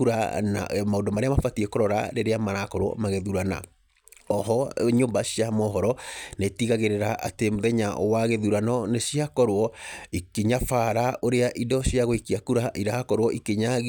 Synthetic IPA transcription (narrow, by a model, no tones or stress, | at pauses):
uɾa̰na̰maodɔmaɾeamafatiekoɾɔɾa̰ɾeɾeamaɾakɔɾwɔ̰maɣeðuɾana̰ | ɔɦɔɲoːmbasiamɔɦɔɾɔnetiɣaɣeɾeɾaʔa̰temoðɛɲaʔɔ̰waɣeðuɾanɔnesiakɔɾwɔikeɲafaːɾaʔoɾeaʔidɔsiaɣoikiakuɾaʔiɾakɔɾwɔʔikeɲa